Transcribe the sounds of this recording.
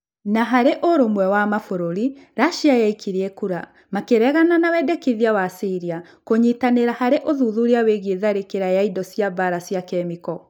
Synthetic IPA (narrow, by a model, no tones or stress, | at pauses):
naɦaɾeʔoɾomwɛwamafoɾoɾiɾaʃiajaikʰiɾiɛkuɾa | makeɾɛɣananawɛdɛkiðiawasiɾia | koɲitaneɾahaɾeʔoðuðuɾiaweɣeðaɾekeɾajaidɔsiabaɾasiakɛmikɔ